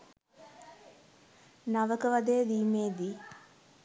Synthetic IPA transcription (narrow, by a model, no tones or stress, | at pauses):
naʋəkəʋad̪ejəd̪iːmeːd̪i